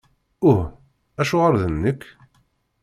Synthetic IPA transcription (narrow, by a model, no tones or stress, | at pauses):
ʊh | æʃʊʁəɾðənːəkː